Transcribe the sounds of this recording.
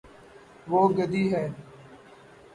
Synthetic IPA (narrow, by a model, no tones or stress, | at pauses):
ʋoːɡəd̪iːɦɛː